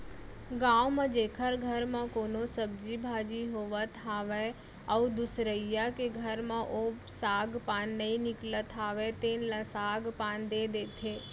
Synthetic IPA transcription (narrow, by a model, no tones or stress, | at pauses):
ɡãːwmãd͡ʒeːkʰəɾɡʱəɾmãkoːnosəbd͡ʒibʱaːd͡ʒiɦoːʋət̪ʰaːʋe | əud̪ʊsɾəijakeɡʱəɾmãʔosaːɡpaːnːəĩnɪklət̪ʰaːʋet̪eːnlãsaːɡpaːnd̪ed̪eːt̪ʰeː